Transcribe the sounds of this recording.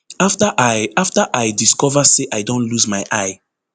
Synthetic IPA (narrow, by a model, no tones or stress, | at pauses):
aftəʔajaftəʔajdiskɔvəseʔajdõntluzmajʔaɪ